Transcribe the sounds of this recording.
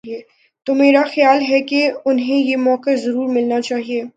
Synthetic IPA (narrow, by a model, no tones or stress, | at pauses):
ieː | t̪omeːɾaxɪjaːlɦɛkeʊnɦẽjemɔːkazɐɾuːɾmɪlnat͡ʃaːɦieː